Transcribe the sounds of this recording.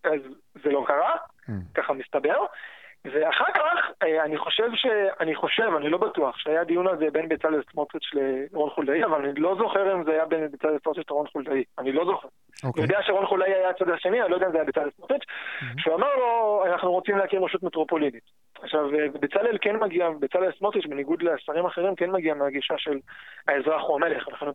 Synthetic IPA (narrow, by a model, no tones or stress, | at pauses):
azː | elo̞kaʁa | kaχamist̪abe̞ʁveaχaʁkaχaniχo̞ʃe̞vʃe̞aniχo̞ʃe̞vanilo̞batuaχʃeajad̪ijunazebe̞nbet͡salesmot̪ʁit͡ʃleʁo̞nχuldaiavalanilo̞zo̞χe̞ʁimzeajabenbet͡salesot̪it͡ʃlaʁo̞nχuldaianilo̞zo̞χe̞ʁ | nojod̪eaʃeʁo̞nχuldaiajat͡sad̪aʃe̞nianilojd̪eaimzeajabet͡salelsmot̪it͡ʃʃeuamaʁlo̞anaχnuʁot͡simleakinʁeʃut̪met̪ʁo̞po̞linit | aχʃavvebet͡salelke̞nmaɡiabet͡salelsmot̪it͡ʃbeniɡud̪lesaʁimaχeʁimkenmaɡiameaɡiʃaʃe̞laezʁaχuame̞leχvelaχen